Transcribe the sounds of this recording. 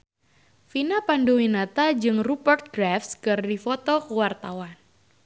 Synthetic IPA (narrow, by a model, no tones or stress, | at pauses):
finapandowinat̪ad͡ʒɨŋrupərt̪̚ɡɾafskɨrdifɔt̪ɔkəwart̪awan